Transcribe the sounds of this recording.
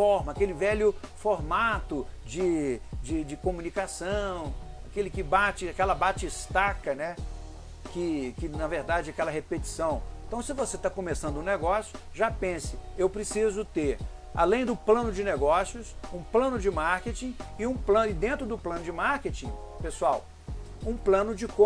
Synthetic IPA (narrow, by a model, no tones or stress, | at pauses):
fɔɾmɐakelɪvɛlʊfoɾmat̪ʊd͡ʒɪd͡ʒɪd͡ʒɪkomunikasɐ̃w̃akelɪkɪbat͡ʃɪakɛlɐbat͡ʃɪst̪akɐnɛ | kɪkɪnɐveɾd̪ad͡ʒɪɛakɛlɐɦepet͡ʃi̥sɐ̃w̃ẽt̪ɐ̃w̃sɪvoset̪akõmesɐ̃nd̪ʊũneɡɔsjʊʒapẽsɪewpɾɪsizʊt̪eɾ | a̰lẽj̃d̪ʊplɐ̃nʊd͡ʒɪneɡɔsjʊsũplɐ̃nʊd͡ʒɪmaɾket͡ʃĩɪũplɐ̃nɪd̪ẽnt̪ɾʊd̪ʊplɐ̃nʊd͡ʒɪmaɾket͡ʃĩpesuaw | ũplɐ̃nʊd͡ʒɪkõ